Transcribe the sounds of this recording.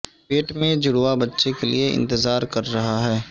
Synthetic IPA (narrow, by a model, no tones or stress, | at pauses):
peːʈmẽd͡ʒʊɽabɐtːʃekelieɪ̰̃nt̪ɪzaːɾkɐɾːɐɦaɦɛː